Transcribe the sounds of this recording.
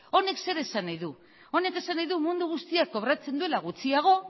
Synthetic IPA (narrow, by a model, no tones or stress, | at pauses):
o̞ne̞kse̞ɾe̞sanajðu | o̞ne̞ke̞sanajðumund̪uɣ̞ust̪iakːo̞βɾat͡se̞nd̪ue̞laɣut͡siaɣ̞o̞